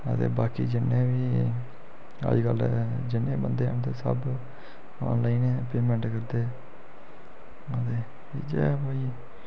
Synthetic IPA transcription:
ət̪ḛːbaːkiːd͡ʒɪnːeːbiː | a̰ːd͡ʒkəld͡ʒɪnːẽːbənd̪eːnt̪esə̰b | ɔ̃nlaːinẽːpeːmẽɳʈkəɾd̪eː | ət̪eː | id͡ʒḛːpaːiː

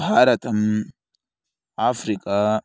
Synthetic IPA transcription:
ɦaɾɐt̪ʰʼɐm | afɾikʼa

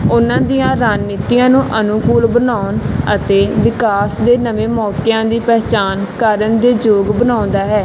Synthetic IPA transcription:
ʊnãːd̪ijãːɾaːnːɪːt̪ijãːnũːʔənʊkuːlbənaːʊnət̪eːʋɪkaːsd̪eːnəʋẽːmɔːkɪjãːd̪iːpɛːt͡ʃaːnkəɾənd̪eːd͡ʒoːɡbənaːʊ̃nd̪aːɦɛː

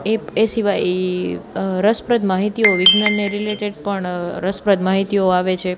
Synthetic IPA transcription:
eesiʋaj | ɾəspɾəd̪maɦit̪ioʋɪɡnanːeɾileʈeɖ̚pəɳɾəspɾəd̪maɦit̪ijoaʋet͡ʃʰe

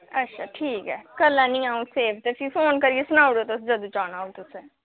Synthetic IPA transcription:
ɐtːʃʰaːʈʰiːkɦɛːkɐlːãnĩãːũseːbʰt̪efʰifoːnkɐɾiesʊnaːʊɽot̪ʊsd͡ʒɐd̪ut͡ʃaːnaːot̪ʊse

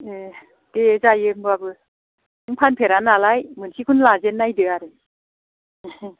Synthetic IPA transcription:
e | d̥ezajɯŋbɯabɯ | ɯŋpʰanpʰeɾanalajmɯnsikʰunlazenːajdɯaɾɯ

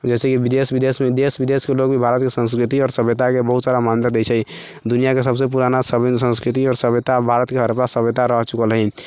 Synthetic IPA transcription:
d͡ʒɛːsekibid̪esbid̪esmed̪esbid̪eskeloɡbʱibʱaɾət̪̚kesə̃nskɾit̪iɔːɾsəbjət̪akebəɦut̪saɾamand̪əɾd̪ɛt͡ʃʰɛ | d̪unijakesəbsepuɾanasəb̪sə̃nskɾit̪̬iɔːɾsəbjət̪abʱaɾət̪keɦəɾpasəbjət̪aɾəɦt͡ʃukəlɦɛ

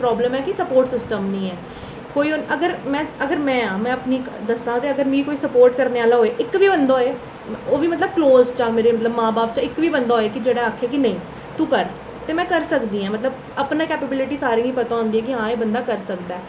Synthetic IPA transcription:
pɾɔːbləmɛːkɪsəpoːɾʈsɪsʈəmnĩːɛː | koːiːonəɡəɾmɛ̃ːəɡəɾmɛ̃ːãːmɛ̃ːəpniːd̪əsãːt̪eːəɡəɾmĩːkoːiːsəpoːɾʈkəɾneːaːlaːɦoːeːʔɪkːʋiːbənd̪aːɦːeː | oːʋiːmət̪̬ləb̚kloːzt͡ʃãːmeːɾeːmət̪ləbmãːbaːpt͡ʃãɪkːʋiːbənd̪aːɦːeːkɪd͡ʒeːɽaːaːkʰːaːkɪnə̃ĩː | t̪uːkəɾ | t̪eːmɛ̃ːkəɾsəkd̪iːãːmət̪ləb | əpnãːkɛːpebɪlɪʈiːsaːɾĩːɦĩːpət̪ãːɔ̃ːnd̪iːɛːk̬ɪɦãːeːbənd̪aːkəɾsəkd̪aːɛː

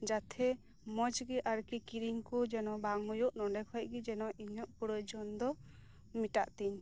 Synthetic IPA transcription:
d͡ʒat̪ʰɛ | mɔd͡ʒɡɛʔaɾkikiɾiŋkɔd͡ʒɛnɔbaŋɔjuʔnɔɖɛkʰɔʔ̚ɡid͡ʒɛnɔʔiɲɔʔpuɽəjd͡ʒɔnd̪ɔ | miʈaʔt̪iɲ

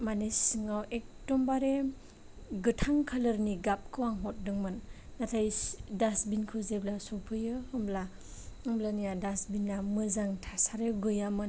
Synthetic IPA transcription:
manesɯŋawʔek̚tɔmbaɾe | ɡɯtʰaŋkʰalɯɾniɡap̚kʰɯwaŋɦɔt̚dɯŋmɯnːatʰajdasbinkʰɯzeblasɔpʰɯjɯɯmbla | ɯŋmblanijadasbinːamɯzaŋtʰasaɾeɡɯjamɯn

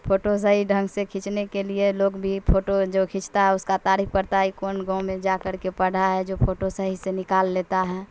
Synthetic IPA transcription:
pʰoʈos̬əɦiɖʱə̃ŋɡsekʰĩt͡ʃnekelieloːɡbʱipʰoʈod͡ʒokʰĩt͡ʃt̪aɦɛʊskat̪aɾip̚ʰpəɾt̪aikoːnɡɔ̃mẽd͡ʒakəɾkepəɽ̤aɦɛd͡ʒopʰoʈosəɦisenɪkaːlːet̪aɦɛː

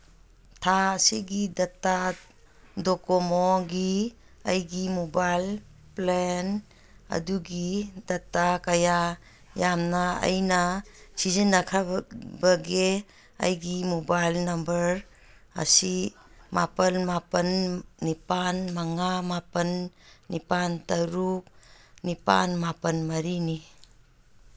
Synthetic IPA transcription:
tʰasiɡidata | dɔkɔmoɡi | ɐ̰jɡimobajl | plen | ɐ̰duɡidɐtːakɐja | jamnɐɐ̰jnɐsizinːɐkʰabɐɡe | ɐ̰jɡimobajlnɐmbɐɾ | ɐ̰sima̰pɐnmapənːipanmaŋamapənːipantɐɾuk̚ | nipa̰nmapənmɐɾini

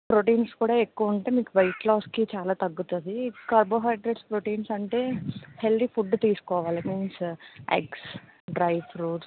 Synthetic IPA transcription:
pɾoʈiːnskuːɽaːe̞kːuʋɐɳʈe̞ːmiːkuʋɐjʈlaːskit͡ʃaːlaːt̪ɐɡːut̪und̪ikɐːɾboːɦɐjɖɾeɖspɾoʈiːnsɐɳʈe̞ːhe̞ld̪ipʰuɖːt̪iːsu̥kɔːʋaːlikunsḛks | ɖɾɐjʋɾuːʈs

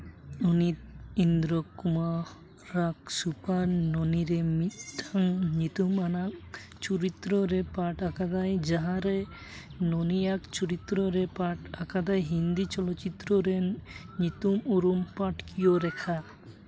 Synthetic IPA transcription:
unit̪̚ind̪ɾɔkuma | ɾak̚supaɾnɔniɾɛmiʈʰaŋɲit̪umanak | t͡ʃuɾit̪ɾɔɾɛpaʈakad̪ajd͡ʒaɦãɾɛ | nɔnijakt͡ʃuɾit̪ɾɔɾɛpaʈakad̪ajɦind̪it͡ʃɔlɔt͡ʃit̪ːɾɔɾe | ɲit̪umuɾumpaʈkʰijoɾɛkʰa

